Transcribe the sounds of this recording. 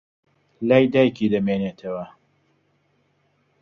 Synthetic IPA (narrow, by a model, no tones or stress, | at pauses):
laːjd̪aːjkid̪ɐmeːnet̪ʰɐwɐ